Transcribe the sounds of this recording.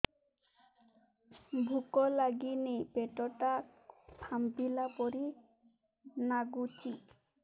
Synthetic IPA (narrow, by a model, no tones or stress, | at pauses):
bʱukɔlaɡinejpeʈɔʈapʰambilapɔɾi | naɡut͡ʃi